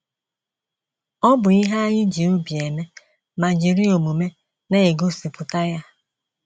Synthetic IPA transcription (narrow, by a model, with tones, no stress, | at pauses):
ɔ˦bʊ˨i˦ɦa˦ɲɪ˦d͡ʒi˨ʊ˦bi˨e˨me˦ | ma˨d͡ʒi˨ɾi˦o˨mu˨me˦ | ne˦e˨ɡo˦si˨pʊ˨ta˦ja˦